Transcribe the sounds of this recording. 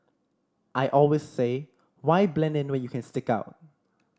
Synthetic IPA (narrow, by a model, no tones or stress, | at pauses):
ʔajʔɔlwesːe | wajblɛ̃nɛ̃nwɛ̃njukʰɛ̃nstɪkaʊt̚